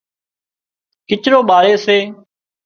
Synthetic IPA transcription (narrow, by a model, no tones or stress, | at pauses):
kɪt͡ʃɾoːɓaːɾeːseː